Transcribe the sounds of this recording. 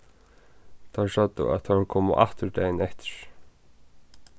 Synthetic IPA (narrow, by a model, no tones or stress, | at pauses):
t̪ʰaʂœt̪ːə̰a̰t̪ʰakʰoːmʊ̰ʔa̰ht̪ʏɹd̪ɛːjnɛht̪ɪ̥ɹ̥